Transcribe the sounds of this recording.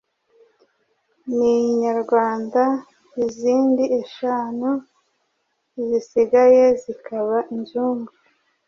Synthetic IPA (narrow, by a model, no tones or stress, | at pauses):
niɲaɾɡwaːnda | iziːndieʃaːnu | izisiɡaje̞zikaβaʔiɲd͡ʒuːmbu